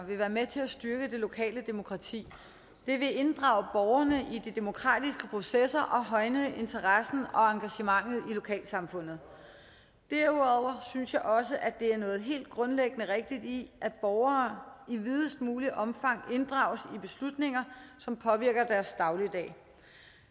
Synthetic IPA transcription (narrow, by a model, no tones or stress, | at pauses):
ʋe̝ʋæːɐmet͡sʰe̝læsd̥ɶɐɡ̥əd̥e̝lo̝kʰɛ̰ːləd̥e̝mo̝kʰʁɑ̈t͡sʰḭː | d̥e̝ʋe̝e̝nd̥ʁɑ̈ʊəb̥ɒʊɐnəʔid̥id̥e̝mo̝kʰʁɑ̰̈ːd̥isɡ̥əpʰʁo̝sesɐʔɒ̽ɦɒ̽ɪnəʔe̝nt͡sʰɐʁɑsn̩ɒ̽ɑ̈ŋɡ̥æɕəmɑ̈ŋ̰ð̞̩ˠilo̝kʰɛ̰ːlsɑ̈mfɔ̽n̰ð̞̩ˠ | d̥æɐuðˠɒʊɐsynsjɑ̈ɪʔɒ̽səʔæd̥e̝æɐnɔ̽ːð̞̩ˠɦe̝̰ːld̥̚ɡ̥ʁɔ̽nleɡ̥ənəʁeɡ̥̚d̥id̥iʔæ̥b̥ɒʊɐiʋið̞ˠəsd̥̚muːliʔɒ̽mfɑ̈ŋ̰e̝nd̥ʁɑ̰̈ʊsib̥e̝slud̥ne̝ŋɐsɒ̽mpʰɒ̽ʋiɐ̰ɡ̥ɐd̥æɐsd̥ɑ̈ʊlid̥ɛ̰ː